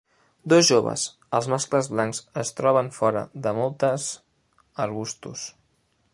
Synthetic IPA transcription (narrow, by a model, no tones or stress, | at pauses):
d̪ozʒoβə̰z | əlˠzmaskləzβlaŋzəst̪ɾɔβ̞əɱfɔɾə̰ðəmɔlˠt̪əz | əɾβust̪ṵs